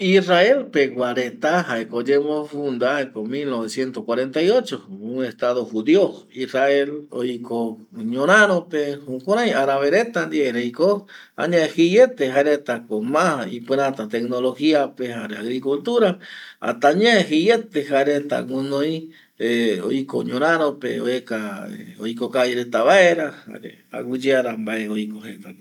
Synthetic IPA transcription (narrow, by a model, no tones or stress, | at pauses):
iraelpeɡwaɾet̪aɦaekod͡ʒemofund̪aekomilnoβesjent̪okwaɾent̪ajot͡ʃouŋest̪aðoxuðjo | iraelo̰jkoɲonaɾopehukoɾajaɾaβeɾet̪and̪ieɾejko | ã̰ɲãehije̞t̪eɦaɾet̪akomãḭpɨ̃ɾãt̪at̪eknolo̞hiape̞ɦaɾeaɣɾikult̪uɾaa̰t̪aɲãehijet̪ehaɾet̪a̰wũnõj̃ | eo̰jkoɲõɾ̃ãɾ̃õpeoekaeo̰jkokajɾet̪aβaeɾaha̰ɾḛ | a̰wɨd͡ʒeaɾambaʔeojkohet̪a